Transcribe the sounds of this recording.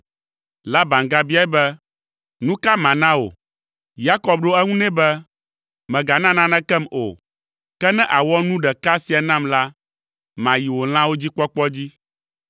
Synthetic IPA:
la˦ba˨ŋɡa˨bi˦a˦ɛ˦bɛ˦ | nũ˦ka˦mã˨nã˦o̰˨ | ja˦kɔ˨b̚ɖo˦ɛ˦ŋũ˦nɛ̃˦bɛ˦ | mɛ̃˨ɡa˨nã˦nã˦nɛ̃˦kɛ˦mo̰˨ | kɛ˦nɛ̃˦ʔa˨wɔ˦nũ˦ɖɛ˨ka˦si˨a˨nã˦mla˦ | mã˨ji˨wo˨l̃ã˦wo˦d͡ʑi˦k͡pɔ˦k͡pɔ˦d͡ʑi˦

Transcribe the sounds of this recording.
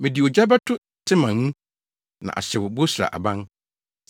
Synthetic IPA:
mɪ̃˨dɪ˨o˨d͡ʑᶣa˦ba˦tʰʊ˦ | tʰɪ˦mã˨nũ˦ | nã̰˨ʔa̰˨ɕɛ˨wʊ˨bo˦su˨ɾa̰˨ʔa̰˨bã˦n

